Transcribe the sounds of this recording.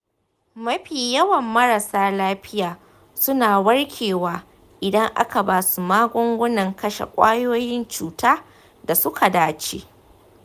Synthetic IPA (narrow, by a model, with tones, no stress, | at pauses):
mɐ˦ɸiː˨jɐ˦wɐ˨mːɐ˦ɾa˨saː˦laː˦ɸɪ˦jaː˨ | sʊ˦naː˨wɐ˦ɽkʲʰeː˨waː˦ | ʔɪ˨dɐ˦ŋʔa̰˦ka˨baː˦su˨maː˦ɡʷɔ˦ŋɡʷʊ˦nɐ˨ŋkɐ˦ʃḛ˨kʷʼa̰ː˦joː˦jɪ˦nt͡ʃuː˨taː˦ | da˨sʊ˦kʰa˨daː˦t͡ʃḛː˦ʔ